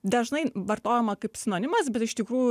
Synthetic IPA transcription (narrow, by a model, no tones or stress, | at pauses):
d̪ɐʒnɐɪʋɐɾt̪oːjɛmɐkɐɪpsʲɪnoːnʲɪmɐsbʲɛt̪ɪʃt̪ʲɪkɾuːjʊ